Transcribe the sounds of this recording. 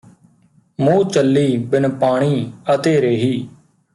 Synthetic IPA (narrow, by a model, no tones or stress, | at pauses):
mũːt͡ʃəlːiːbɪnpaːɽ̃iːət̪eːɾeːɦiː